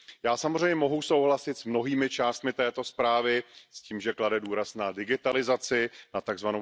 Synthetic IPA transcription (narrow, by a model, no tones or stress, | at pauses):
jaːsamozr̝ɛjɲɛmo̞ɦuso̞wɦlasɪt̪smno̞ɦiːmɪt͡ʃaːst̪mɪt̪ɛːt̪o̞spɾaːvɪsciːmʒɛkladɛduːɾasnadɪɡɪt̪alɪzat͡sɪnat̪aɡzvanow